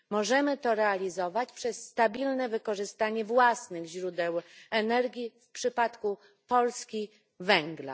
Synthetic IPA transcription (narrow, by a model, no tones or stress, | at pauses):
mɔʐɛmɘt̪ɔɾɛalʲizɔvat͡ɕpʂɛsːt̪abʲilnɛvɘkɔʐɘst̪aɲɛvwasnɘɣʑɾud̪ɛwɛnɛɾɡʲifpʂɘpat̪ku | pɔlskʲi | vɛŋɡla̰